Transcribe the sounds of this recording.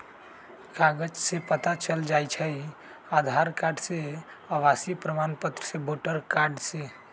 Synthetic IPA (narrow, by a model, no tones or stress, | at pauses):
kaɡəd͡ʒsepət̪at͡ʃəld͡ʒajt͡ʃʰəj | ad̪ʱaɾkaɾɖse | əʋasipɾəmanpət̪ɾəseboʈəɾkaɾɖse